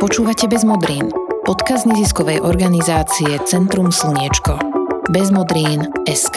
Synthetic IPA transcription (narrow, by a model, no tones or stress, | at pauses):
pɔt͡ʃuːʋacɛbɛzmɔd̪ɾiːnpɔt̪kazɲɛziskɔʋɛjʔɔɾɡanizaːt͡siɛt͡sɛnt̪ɾumsl̩ɲɪɛt͡ʃkɔbɛzmɔd̪ɾiːnɛsk